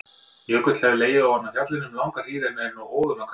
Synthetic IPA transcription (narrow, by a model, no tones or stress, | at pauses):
jœːkʏt̪hɛvɪleːjɪawhanːaθjat̪lɪnʏmlawŋkar̥iːðɪnɛɛnawoːwðʏmakʰ